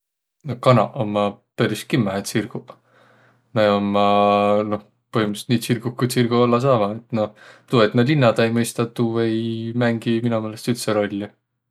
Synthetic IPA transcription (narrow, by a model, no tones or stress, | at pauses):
nokɑnɑʔomːɑpeɾis̚kimːæet̪sirɡ̥u | nɑomːɑno̞h | pohimust̪niːt̪sirɡuhkujt̪sirɡ̥uolːɑs̬ɑːvɑet̪no̞t̪uːet̪nɑlinːɑd̪ɑejmɤjst̪ɑt̪ːuːvejmæŋɡ̥iminumelest̪ylt̪seɾo̞lʲːi